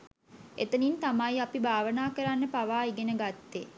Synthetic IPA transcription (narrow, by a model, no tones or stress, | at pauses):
ḛt̪ənint̪amajapibʱaːʋənaːkəɾanːəpaʋaːiɡenəɡat̪ːe